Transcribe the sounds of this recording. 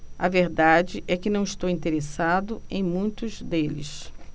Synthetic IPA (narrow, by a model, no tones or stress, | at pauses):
ɐveɾd̪ad͡ʒɪʔɛkɪnɐ̃w̃iʃt̪owĩnt̪eɾesad̪ʊẽj̃mũj̃t̪ʊzd̪elɪ̰s